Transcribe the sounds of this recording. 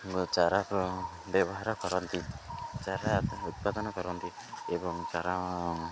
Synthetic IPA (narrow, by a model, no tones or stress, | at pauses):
ɡɔt͡ʃaɾap | bɛbɔɦaɾɔkɔɾɔnt̪it͡ʃaɾat̪ut̪̚pad̪ɔnɔkɔɾɔnt̪i | ebɔŋt͡ʃaɾa